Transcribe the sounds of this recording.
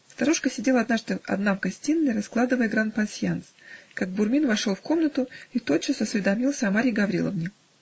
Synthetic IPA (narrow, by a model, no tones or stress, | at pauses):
st̪ɐɾuʂkəsʲɪdʲelˠɐd̪naʐd̪ɨɐ̰d̪namkɐsʲtʲinːɨjrɐsklˠad̪ɨvəjəɡɾant̪pɐnsʲjanskaɡ̚bʊrmʲinvɐʂolˠfko̞mnət̪ʊit̪o̞t̪̚t͡ɕːɪsɐsvʲɪd̪ɐmʲilˠsʲəɐmaɾʲɪjɡɐvɾʲḭlˠə̰vnʲɪ